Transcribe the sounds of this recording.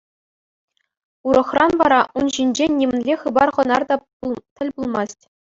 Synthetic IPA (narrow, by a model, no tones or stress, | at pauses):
uɾɤ̆χrɑnʋɑɾɑʔunʑinʲd͡ʑenʲːimʲɘ̆nʲlʲeχɯbɑrʁɤ̆nɑrd̪ɑ | ut̪ʲɘ̆lʲbulˠmɑstʲ